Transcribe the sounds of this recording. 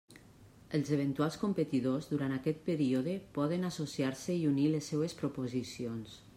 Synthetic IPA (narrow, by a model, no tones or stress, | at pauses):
əlˠzeβent̪ualˠskumpət̪iðozðuɾant̪akɛt̪̚pəɾioðəpɔðənasosiaɾseiunilesːɛwespɾopozisions